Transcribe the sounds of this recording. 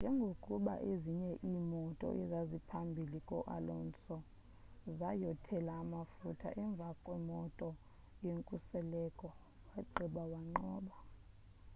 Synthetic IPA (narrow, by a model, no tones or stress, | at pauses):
nd͡ʒʱɛŋɡʱokʼuɓa̰ʔeziɲɛʔiːmɔtʼɔ̰ʔɛzazipʰambʱilikʼɔ̰ʔa̰lɔnt͡sʼɔ | zajɔtʰɛlaːmafutʰa̰ʔɛɱb̪vʱakʼwɛmɔtʼɔ | jeŋkʼusɛlɛkʼɔ | waǃʱiɓawaŋ͡ǃɔːɓa